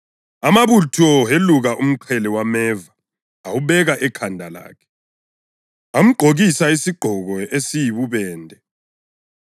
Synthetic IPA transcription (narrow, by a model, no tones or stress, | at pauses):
amaβutʰɔɦeluɣaʔum̩ǃʰɛlɛwamɛːvaː | wuβɛɣaʔɛkʰandʱala̰ːkʰɛ̥ | am̩ɡ͡ǃʱoɣisaisiɡ͡ǃʱɔɣɔesijiβuβɛːndʱɛ